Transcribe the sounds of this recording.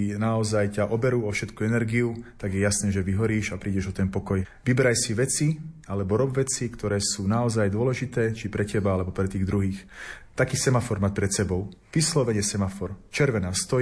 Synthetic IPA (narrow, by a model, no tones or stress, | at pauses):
naɔzajcaʔɔbɛɾuːɔfʃɛt̪kuɛnɛɾɡiut̪aɡjɛjasnɛːʒɛʋiɦɔɾiːʃapɾiːɟɛʒɔt̪ɛnpɔkɔjʋibɛɾajsiʋɛt͡sialɛbɔɾɔbʋɛt͡sikt̪ɔɾɛːsuːnaɔzajd̪ʊɔlɛʒit̪ɛːt͡ʃipɾɛcɛbaalɛbɔpɾɛt̪iːɣd̪ɾuɦiːxt̪akiːsɛmafɔɾmat̪̚pɾɛt̪sɛbɔʊ | ʋislɔʋɛɲɛsɛmafɔɾt͡ʃɛɾʋɛnaːst̪ɔj